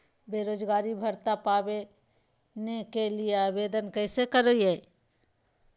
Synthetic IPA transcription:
beːɾoːd͡ʒɡaːɾibʱəɾt̪apaːwe | nekelieaːbeːd̪ənkɛːsekəɾoiɦɛː

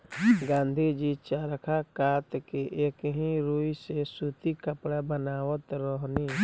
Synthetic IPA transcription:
ɡãːnd̪ʱid͡ʒiːt͡ʃaɾəkʰakaːt̪keʔeːkɦĩɾuːisesuːt̪ikəpɽabənaːwət̪ɾɔːɦni

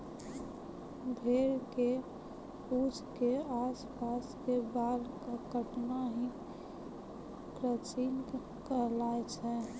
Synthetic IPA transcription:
bʱeːɾke | uːd͡ʒkeaːspaːskebaːlkakəʈnaɦi | kɾət͡ʃin | kəlaːet͡ʃʰɛ

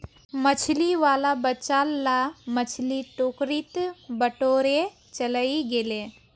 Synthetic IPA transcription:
mət͡ʃʰliʋaːlabət͡ʃaːlːamət͡ʃʰliʈoːkɾit̪bəʈoːɾe | t͡ʃələiɡele

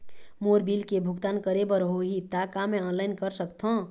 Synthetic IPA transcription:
moɾbilkebʱʊɡt̪aːnkəɾebəɾɦoɦit̪akamẽɔːnlaɪnkəɾsəkt̪ʰɦõ

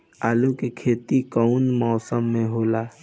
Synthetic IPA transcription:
aːlukekʰeːt̪ikəʊnmɔːsəmːẽɦoːlaː

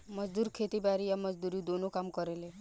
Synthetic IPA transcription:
mɔd͡ʒd̪uɾkʰet̪ibaɾijaməd͡ʒd̪uɾid̪onokamkɔɾele

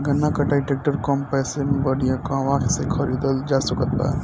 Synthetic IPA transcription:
ɡənːakɐʈaiʈek̚ʈəɾkɔmpɛsemẽbəɽijãkãʋaksekʰəɾid̪əld͡ʒasukət̪a̰

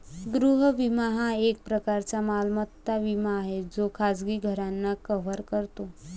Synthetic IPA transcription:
ɡɾuɦəʋimaɦaek̚pɾəkaɾt͡ɕamalmət̪ːaʋimaːɦed͡zokʰad͡zɡiɡʱəɾanːakəʋəɾkəɾt̪o

